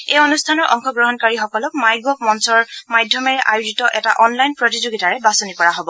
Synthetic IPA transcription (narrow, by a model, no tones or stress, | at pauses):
ejonustʰanɔɹʔɔŋxɔɡɹɔɦɔnkaɹixɔkɔlɔkmajɡɔpmɔnsɔɹmajdʱjɔmɛɹɛʔajuzitɔʔɛtaʔɔnlajnpɹɔtizoɡitaɹɛbasonikɔɹaɦobɔ